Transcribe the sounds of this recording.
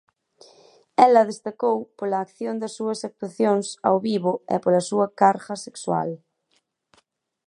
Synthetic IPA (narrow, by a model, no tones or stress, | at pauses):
ɛlɐðest̪akowpolɐːkθjond̪ɐsːuɐsak̚t̪waθjoŋsa̰wβiβoḛpolɐsuɐkaɾɣɐsekswa̰l